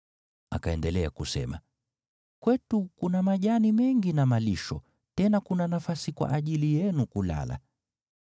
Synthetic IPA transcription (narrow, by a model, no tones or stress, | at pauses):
a̰kaɛndɛlɛa̰kusɛ̰ma̰ | kwɛtukunamaʄanimɛŋɡinamaliʃɔ̰ | tɛnakunanafasikwa̰ʔaʄilijɛnukula̰la̰